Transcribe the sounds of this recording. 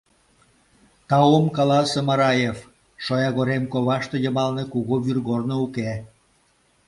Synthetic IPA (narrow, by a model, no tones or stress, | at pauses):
t̪ɑomkɑlɑsemɑɾɑjef | ʃojɑɣoɾemkoβɑʃt̪ejə̆mɑlnekuɣoβyrɣornouke